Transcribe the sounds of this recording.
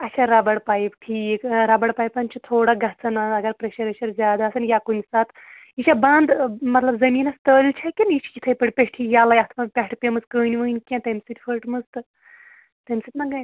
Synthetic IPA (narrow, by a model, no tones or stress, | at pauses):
ɐt͡ʃʰaɾɐbɐɽpaːjibʈʰiːkɾɐbɐɽpaːjpɐnt͡ʃʰit̪ʰoːɽaɡɐɦt͡sʰɐnaɐɡɐɾpɾeʃɐɾɐʃɐɾzʲjaːd̪aːsɐnjakunisat̪ | it͡ʃʰʲabɐnd̪mɐt̪lɐbzɐmiːnɐst̪əːlt͡ʃʰakʲinjit͡ʃʰi̥kʲit̪ʰɐjpɐɽʲpʲeʈʰijaːlajɐt̪ʰpɐnpʲɛʈʰpʲemɨzkəːnʲiʋɨːnʲkʲẽnt̪ɐmsɨt̪ʲfʰəʈmɨzt̪ɨ | t̪ɐmsɨt̪nɐɡɐjʲ